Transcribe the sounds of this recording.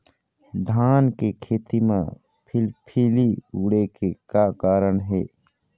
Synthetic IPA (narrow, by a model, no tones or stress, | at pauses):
d̪ʱaːnkekʰeːt̪imḛ̃ | pʰɪlpʰiːliuɽekekaːkaːɾəɳɦɛː